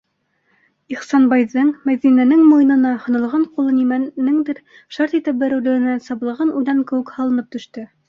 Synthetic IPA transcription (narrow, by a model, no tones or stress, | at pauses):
iχsɑnbɑjðɤɴmæðinænɘŋmujɤ̆nɤ̆nɑhŏnɤ̆lˠʁɑɴqulˠɤnimænɘŋd̪ɘɾ | ʃɑɾt̪it̪ɘp̚bæɾɘ̆wlɘ̆ɡɘ̆næsɑβlˠɤ̆ʁɤnʔujlɑŋkɘ̆wɘ̆khɑlˠɤ̆nɤp̚t̪ɵ̆ʃt̪ɘ